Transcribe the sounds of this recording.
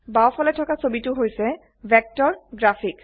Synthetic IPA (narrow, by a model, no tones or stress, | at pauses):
bawfʰɔlɛtʰɔkasobitʊɦojsɛ | bʱɛk̚tɔɹɡɹafʰik